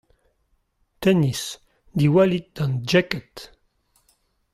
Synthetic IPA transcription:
t̪ɛnis | d̪iwalit̪̚d̪̥ɑ̃nd͡ʒɛkət̪

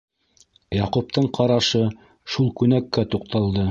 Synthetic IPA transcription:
jɑqup̚t̪ɤɴqʰɑɾɑʃɤ | ʃulˠkʉnækːæt̪uq̚t̪ɑlˠd̪ɤ

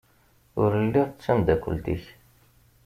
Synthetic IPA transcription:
ʊ̰ɾəlːiʁæmd̪ækʷːṵlt̪ḭç

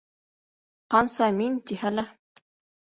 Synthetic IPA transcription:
qɑnsɑmint̪ihælæ

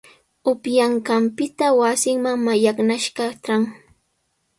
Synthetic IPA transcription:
ʊpjaɴɢɑmpɪt̪awasɪŋmaŋmajaknaʃɢɑʈ͡ʂaŋ

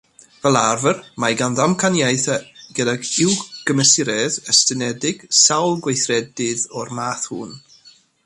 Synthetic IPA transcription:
vɛlˠarvərmajɡanðamkʰanjajθaɡ̥ədaɡɪwɡ̥əməsɪɾɛðəstənɛdɪɡ̥sawlˠɡwejθrɛdɪðɔrmaːθhuːn

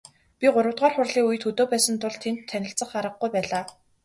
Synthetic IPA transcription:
pʲiɢʊɾə̆wt̪ʁaːrχʊrɮiːujɘ̆t̪xɵt̪oːpæːsə̆nt̪ʊɮt̪ʰːent̪ʰːænʲɪ̆ɬt͡sə̆χaɾə̆χ̚ɡujpæːɮaː

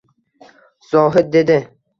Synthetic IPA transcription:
z̥ɒːɦɪd̪̚d̪ed̪ɪ

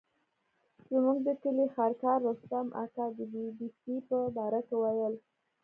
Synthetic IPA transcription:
zəmuɡd̪ət̪əlexɑɾkɑɾːost̪amʔa̰t̪ɑd̪əbibisipəbɑɾakɪwajəl

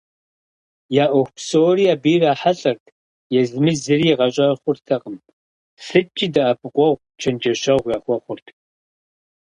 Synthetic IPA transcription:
jaːʔoxʷpsoːrijabiːraːħaɬʼɐrtʰ | jɛzɨmɨzɨriːʁɐɕʼɐχʷʊrtʰɐqʼəm | ɬɨt͡ʃʼːidaapʼɨqʷʼɔʁʷ | t͡ʃʰɐnd͡ʒʼɐʃɐʁʷjaːχʷɔχʷʊrtʰ

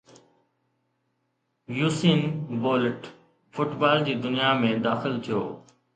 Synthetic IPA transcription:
juːsiːnboːlɪʈ | fʊʈbaːld͡ʑiːd̪ʊnijamẽd̪aːxɪlt̪ʰijo̰ː

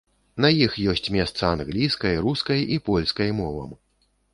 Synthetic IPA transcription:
nɐjixjɔsʲt͡sʲmʲɛst̪sɐanɣlʲiskɐjɾuskɐjʔipɔlʲskɐjmɔvɐ̰m

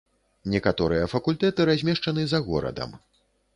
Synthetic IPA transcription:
nʲɛkat̪ɔɾɨjɐfɐkulʲt̪ɛt̪ɨɾazʲmʲɛʂt͡ʂɐnɨzɐɣɔ̰ɾɐ̰d̪ɐ̰m

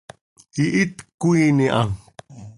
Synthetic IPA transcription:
iʔit̪kuiniʔaŋ

